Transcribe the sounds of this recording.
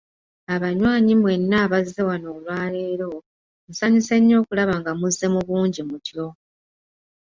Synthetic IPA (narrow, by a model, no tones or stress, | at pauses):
aβaɲwaːɲimwe̞nːaːβazːe̞wano̞ːlwaːle̞ːɾo̞ | musaɲiseɲːo̞ːkulaβaŋɡamuzːe̞muβuːɲɟimutjo̞